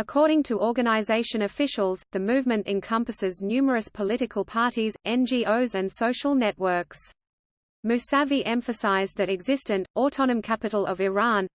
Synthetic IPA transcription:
əkʰɔɹɾɪ̃ŋtʰəʔɔɹɡɨñaɪzeɪʃɨ̃nəfɪʃəl̩ˠzðɨmʉːvmɨ̃ntɨ̰̃nkʰʌ̃mpəsɪznjʉmə˞ɨspʰəlɪɾɨkʰəlˠpʰɑɹɾizʔɛ̃nd͡ʒiʔəʊzɨ̃nsoʊʃəlˠnɛʔ̚wɜ˞ks | mʉsæviʔɛ̃ɱfɨsaɪzðɨɾɨɡzɪstɨ̃ntɔtʰɑñɨ̃mkʰæpɨɾl̩ˠʌvɪɹɑ̃n

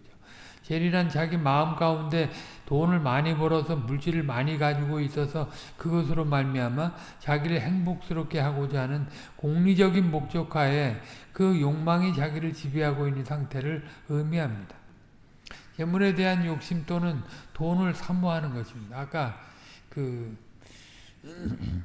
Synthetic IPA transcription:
o | t͡ɕe̞ɾiɾant͡ɕaɡimaɯmk͈aunde̞tonɯɭmaɲibʌɾʌsʰʌmuɭt͡ɕ͈iɾɯɭmaɲiɡad͡ʑiɡois͈ʌsʰʌkɯɡʌs̬ʰɯɾomaɭmiɦama | t͡ɕaɡiɾɯɭɦe̞ŋbok̚s͈ɯɾop̚kʰe̞ɦaɡod͡ʑaɦːnɯn | koŋɲid͡ʑʌɡinmok̚t͡ɕ͈ʌkʰae̞kɯjoŋmaŋit͡ɕaɡiɾɯɭt͡ɕibiɦaɡoinːɯnsʰaŋtʰe̞ɾɯɭɯmiɦamɲid̥ḁ | t͡ɕe̞muɾe̞de̞ɦanjok̚ɕ͈imt͈onɯntonɯɭsʰamuɦanɯnɡʌɕʰimɲid̥aːk͈a | kɯ

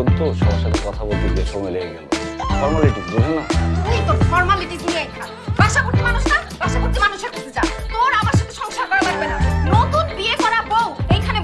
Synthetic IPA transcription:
ont̪oʃɔmʃat̪ʰekɔt̪ʰabolt̪ibeʃɔmɔjleeɡelofɔɾmaliʈikbed͡ʒʰonakit̪oɾfɔɾmaliʈid̪uneejk̪ʰa | baʃabuɾt̪imanuʃnabaʃabuɾt̪imanuʃeɾkʰot̪ʰed͡ʑat̪oɾamaɾʃat̪ʰeʃɔŋʃaɾkɔɾebaɾibenanot̪unbiekɔɾabowejkʰane

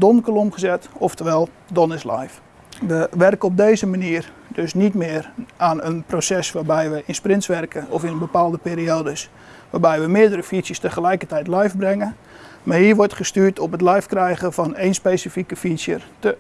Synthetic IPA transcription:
donkolomχəzɛtɔftəʋɛlˠ | donɪsla̰jf | ʋəʋɛrkəɔb̚deːzəmaniər | døsnitmɪːranənprosɛsʋaːbɛjʋəʔɪnsprɪntsʋɛrkʰəɔfɪnənbəpaːlˠdəpeːɾioːdəs | ʋaːbɛjʋəmɪədərəfisjəstəχəlɛjkətɛjtlɛjfbrɛŋən | marhiəʋɔrtχəstyːtɔpətlɛjfkrɛjɣəfɔneːnspeːsifikəfisjə̰tə

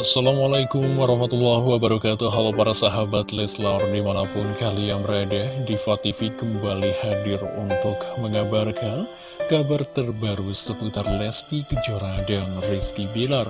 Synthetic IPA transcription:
asalamalajkʊmwaɾɑhmat̪ulːahwabaɾakat̪uɦalapaɾasaɦabat̪lɛslardimanapʊnkalijaŋməɾadɛhdifat̪ifikəmbalihadɪrṵnt̪ʊkməŋabarkan | kabart̪ərbaɾusəput̪arlɛst̪ikəd͡ʒoɾadanriskibelar

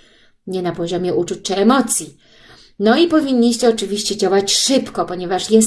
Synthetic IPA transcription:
ɲɛnapɔʑɔmʲjɛʔut͡ʂut͡ɕʲt͡ʂɘɛmɔt̪sʲji | nɔipɔvʲiɲʲːiɕt͡ɕɛɔt͡ʂɘvʲiɕt͡ɕɛd͡ʑawat͡ɕʂɘpkɔpɔɲɛvaʂjɛs

